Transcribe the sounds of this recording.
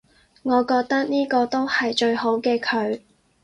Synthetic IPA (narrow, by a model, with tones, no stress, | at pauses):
ŋɔː˨˧kɔː˧k̚t̪ɐ˥k̚niː˥kɔː˧t̪o˥whɐ˨jt͡ʃɵ˧ɥho˨˥wkɛː˧kʰɵ˨˧ɥ